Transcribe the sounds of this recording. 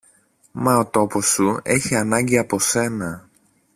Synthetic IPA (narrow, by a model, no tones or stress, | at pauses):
mɐot̪o̞po̞sue̞çiɐnɐɲɟiɐpo̞se̞nɐ